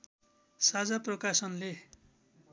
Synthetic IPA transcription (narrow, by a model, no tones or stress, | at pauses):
sad͡zaprʌkasʌnle